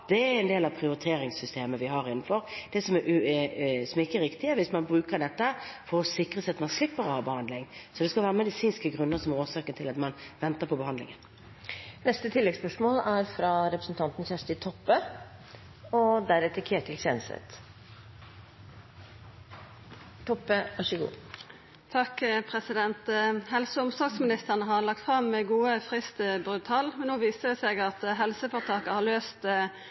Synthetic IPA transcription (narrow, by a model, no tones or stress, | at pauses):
d̪̥ɛæɛnd̪eːlɑpʰɾɪʊɾɪt̪ʰeːɾɪŋsʏst̪eːməʋɪhɑɾɪnn̩fɔɾd̪̥ɛsɔmɛʉsɔmɪkːəɾɪkt̪ɪəʋɪsmɑnbɾʉːkəɾɖɛt̪ːəfɔɾɔsɪkʁəsæɪɑt̪mɑnslɪpːəɾɔhɑːbəhɑnd̪lɪŋsɔd̪ɛskɑlʋæːʁəmɛd̪ɪsiːnskəɡʁʉnːəsɔmɛɾoːʂɑːkənt̪ʰɪlɑt̪mɑnʋɛnt̪əʁpʰɔbəhɑnd̪lɪ̰ŋən | nɛst̪ət̪ʰɪlːɛɡspœʂmoːlæɾfɾɑɾɛpɾəsn̩t̪ʰɑnt̪n̩çæʂʈ̪ɪt̪ʰɔpːə | ɔd̪æɾɛt̪ʰəkʰeːʈ̪ʰɪlseːnəst̪ə̰t̪ | t̪ʰɔpːəʋɑʂəɡṵː | t̪ʰɑkpʰʁɛsɪd̪ɛnt̪hɛlsəʊmsɑɡsmɪnɪst̪əʁnəɦɑʁlɑk̚t̪fʁɑmːɛɡuːəfʁɪst̪əbʁʉt̪ʰɑːlmɛnoːʋiːsəd̪ɛsɛɡɑt̪ɦɛlsəfɔʁt̪ʰɑːkəhɑʁløːst̪